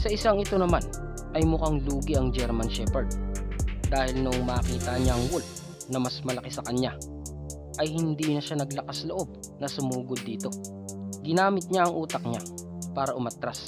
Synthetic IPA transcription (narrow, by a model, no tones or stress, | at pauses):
sɐʔɪsaŋɪt̪o̞nɐman | ʔɐjmʊkaŋluːɡɪʔɐŋd͡ʒɛɾmɐnʃɛpɛɹd̪̚ | d̪aːhɪlnʊʔŋmaːkiːt̪ɐɲaɐŋwʊl | nɐmɐsmɐlɐkɪsɐkɐɲa | ʔɐjhɪnd̪iːnɐʃanɐɡlɐkasloʔo̞b̚ | nɐsʊmuːɡod̪ːiːt̪o̞ | ɡɪnaːmɪt̪̚ɲaʔɐŋʔuːt̪ɐk̚ɲa | paːɾɐʔʊmat̪ɾas